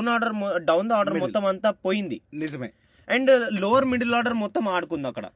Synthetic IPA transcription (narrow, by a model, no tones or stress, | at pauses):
naːɖɐɾɖɐwnd̪aːɖɐɾmɔt̪ːɐmɐnt̪ɐpoːjind̪ini | ɛɳɖloːʋɐɾmiɽilaːɾɖɐɾmɔt̪ːɐmaːɽukund̪aːkɐɽɐ̰